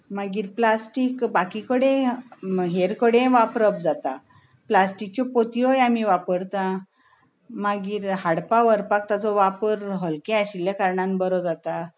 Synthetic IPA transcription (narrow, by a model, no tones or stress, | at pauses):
maɡiːɾplasʈiːkbakikəɽẽ | ɦeɾkəɽẽʋapɾəp̚d͡zat̪a | plasʈik̚t͡ɕɔpot̪iɦojamiʋapəɾt̪ã | maɡiːɾɦaɽpaʋəɾpak̚t̪at͡sɔʋapəɾɦəlkẽaɕiljakaɾɳãnbəɾɔd͡zat̪a